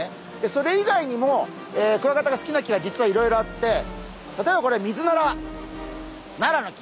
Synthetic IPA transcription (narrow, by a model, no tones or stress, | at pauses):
d̪̥e̞so̞ɾe̞iɡaiɲ̟imo̞ | eːkɯ̟βakat̪aɡasɨ̥kʲinakʲiɡad͡ʑit͡sɨβaiɾo̞iɾo̞at̪ːe̞ | t̪at̪o̞e̞bako̞ɾemʲizɨnaɾa | naɾano̞kʲi̥